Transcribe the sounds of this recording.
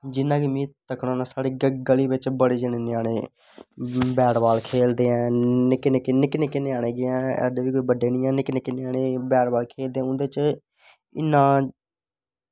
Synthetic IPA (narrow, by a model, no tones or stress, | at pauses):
d͡ʒɪnːãːkimĩːt̪əkɽãːnaːsaːɽeːɡɡəliːbɪt͡ʃbəɽeːd͡ʒɪneːnaːɽeː | bɛːɽʋaːlkʰeːld̪eːɛ̃ːnɪknɪkːnɪkneːkɪneaːɽ̃eːɡeːɛ̃ːɛ̰d̪eːʋiːkoiːbəɖːeːnɪ̃ːɛ̃ːnɪkneːkɪneaːɽeːbɛːɽʋaːlkʰeːld̪eːɛ̃ːʊ̃nd̪eːt͡ʃ | ɪ̰nːãː